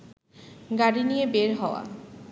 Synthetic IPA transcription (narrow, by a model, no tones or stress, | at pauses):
ɡaɽinijebeɾɦɔa̰